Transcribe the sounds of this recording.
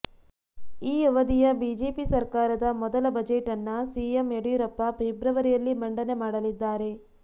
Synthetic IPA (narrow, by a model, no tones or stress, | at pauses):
iːɐʋɐd̪ijɐbiːd͡ʒeːpisɐɾkaːɾɐd̪ɐmɔd̪ɐlɐbɐd͡ʒeʈɐnːɐsiːemeɽujuɾɐpːɐbʱeːbɾɐʋɐɾijɐlːimɐɳɖɐne̞maːɽɐlid̪ːaːɾe̞